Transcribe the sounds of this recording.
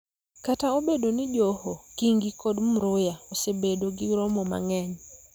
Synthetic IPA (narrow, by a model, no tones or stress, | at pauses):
kataobedonɪd͡ʒohokiŋɡikodm̩ɾʊjaosebedoɡɪɡɾɔmɔma̰ŋɛɲ